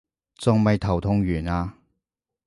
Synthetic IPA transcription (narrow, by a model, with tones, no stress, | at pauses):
t͡sʊ˨ŋmɐ˨jt̪ʰɐ˨˩wt̪ʰʊ˧ŋjyː˨˩naː˧